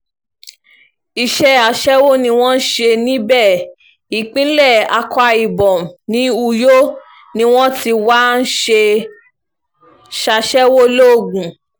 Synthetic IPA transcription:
i˨ʃɛ˦a˧˨ʃɛ˦wo˦nĩ˧˦w̃ɔ̃˦n̩˦ʃe˧nĩ˦bɛ˦˨ | i˨k͡pĩ˦lɛ˦˨a̰˧kʰɔ˧a˧i˨bɔ̃˨nĩ˨˦u˧˨jo˦ | nĩ˧˦w̃ɔ̃˦ti˧wa˦n̩˦ʃe˧ | ʃa˧ʃɛ˦wo˦lo˦˨ɡũ˨

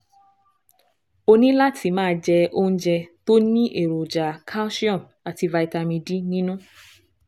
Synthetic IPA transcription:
o˧nĩ˦la˦tʰi˧˦mãː˦d͡ʒɛ˧õ˧˦d͡ʒɛ˧to˦nĩ˦ʔe˦˨ɾo˨d͡ʒa˨kʰa˦si˦ɔ̃˦˨m | a˨ti˧va˧i˧ta˧mĩ˧di˦nĩ˦nũ˦

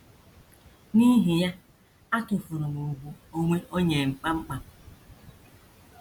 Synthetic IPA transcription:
ni˦ɦi˨ja˦ | a˦tʊ˨fʊ˨ɾʊ˨mu˨ɡʷu˦o˦ŋʷe˦ʔo˦ɲe˨ŋ͡m̩˨k͡pa˦ŋ͡m̩˦k͡pa˨

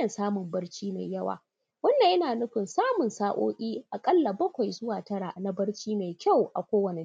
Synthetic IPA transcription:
ɐ˨nsaː˦mʊ˨mbɐ˦rt͡ʃiː˦ma̰˨jjɐ˦wa̰ː˨ | wɐ˦nːɐ˨ʔɐ˦naː˨nʊ˦ɸɪ˨nsaː˦mʊ˨nsaː˦ʔo̰ː˦kʲʼiː˦ʔa˨kʼɐ˦lːa˨bɐ˦kʷa˨jzʊ˦waː˨tɐ˦ɾa˨na˦bɐ˦ɽt͡ʃiː˦ma˨jkʲa˦˨wʔa̰˨kʷoː˦wɐ˨ne˨

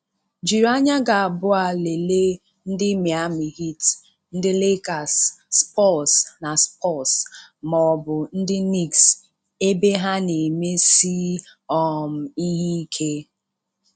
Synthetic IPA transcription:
d͡ʒi˨ɾa˦ɲa˦ɡa˨a˨bʊ˦a˨le˨le˦ | n̩˦dɪ˦me˨a˦mi˨ɦi˦t | n̩˦dɪ˦le˦ka˨sːpɔ˦˨sna˨spɔ˦˨smɔ˨bʊ˨n̩˦dɪ˦ni˦ks | e˦be˦ɦa˦ne˨me˦si˦ɔ˦˨m̩˨i˦ɦi˦i˦kʰe˦

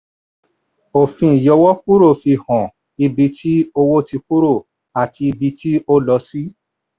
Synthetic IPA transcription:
o˨fĩ˧˨jɔ˧wɔ˦k̚u˦ɾo˦˨fi˧hɔ̃˨ | i˧bi˧tʰi˦o˧wo˦ti˧k̚u˦ɾo˦˨ | a˨tʰi˧i˧bi˧tʰi˦o˦lɔ˧si˦

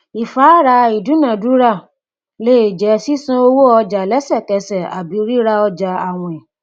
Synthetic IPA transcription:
i˨fa˨˦ɾa˧i˨dũ˨˦nã˦˨du˦ɾa˦˨ | le˦˨d͡ʒɛ˨˦si˦sũ˦o˧wo˦ɔ˧d͡ʒa˨lɛ˦sɛ˦˨kɛ˧sɛ˨a̰˨bi˨˦ɾi˦ɾa˧ɔ˧d͡ʒa˨a˨w̃ɔ̃˧ɛ˨

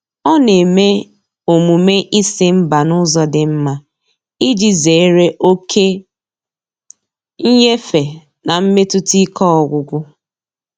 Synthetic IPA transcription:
ɔ˦ne˨me˦ | o˨mu˨me˦ʔi˦sɪ˦m̩˦ba˨nʊ˦zɔ˦dɪ˨m̩˦ma˦ | i˦d͡ʒi˨ze˨e˦ɾe˦ʔo˦kʰe˦ | ŋ̩˦ɲe˦fe˨ | na˨m̩˦me˦tʊ˦ti˦kɔ˦ɔ˨ɡʷʊ˨ɡʷʊ˦

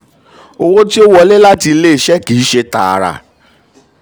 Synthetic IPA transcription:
o˧wo˦ti˦o˦wɔ˧le˦la˦ti˧le˦i˨ʃɛ˦kiː˨˦ʃe˧ta̰˨a̰˨ɾa̰˨

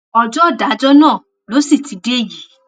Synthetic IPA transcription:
ɔ˧˨d͡ʒɔ˦˨da˨˦d͡ʒɔ˦nãː˦˨ | lo˨˦si˦˨ti˨de˦ji˨˦

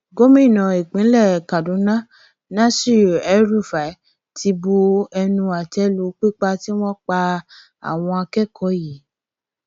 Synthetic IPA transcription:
ɡo˦mĩ˦˨nã˨i˨k͡pĩ˨˦lɛ˦˨ka˨dũ˨˦nã˦ | nã˦si˦˨ɛ˨˦ɾu˦˨fa˨˦ | tʰi˧bo˧ɛ˧nũ˧a˨tɛ˨˦lu˨˦k͡pi˦k͡pa˧ti˦w̃ɔ̃˦k͡pa˧ | a̰˨w̃ɔ̃˧a˧kɛ˦kʰɔ˨˦ji˨˦

